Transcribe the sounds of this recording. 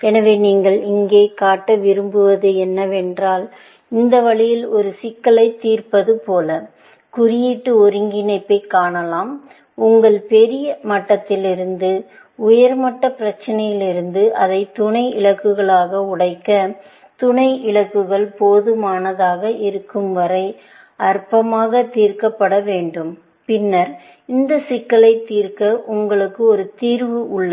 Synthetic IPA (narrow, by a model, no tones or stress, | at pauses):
ɛnɐʋeːniːŋɡɐɭɪŋɡeːkaːʈːɐʋɪɾɯmbɯʋɐðɯɛnːɐʋɛndraːl | ɪnd̪ɐʋɐɭɪjɪlɔɾɯsɪkːɐɭɐɪt̪ːiːrpɐðɯpoːlɐ | kʊɾɪjɪʈːɯɔɾɪŋɡɪnɐɪpːɐɪkːaːɳɐlaːm | ʊŋɡɐɭpɛɾɪjɐmɐʈːɐt̪ːɪlɪɾɯnd̪ɯ | ʊjɐɾmɐʈːɐpɪɾɐt͡ʃːɐnɐjɪlɪɾɯnd̪ɯʔɐðɐɪt̪ʊɳɐɪɪɭɐkːɯɣɐɭaːɣɐʊɽɐɪkːɐ | t̪ʊɳɐɪɪɭɐkːɯɣɐɭpoːðɯmaːnɐðaːɣɐɪɾɯkːɯmʋɐɾɐɪ | ɐrpɐmaːɣɐt̪iːɾkɐpːɐɽɐʋeːɳɖɯm | pɪnːɐɾ | ɪnd̪ɐsɪkːɐɭɐɪt̪ːiːɾkɐʔʊŋɡɐɭɯkːɯɔɾɯt̪iːɾʋɯʔʊɭːɐ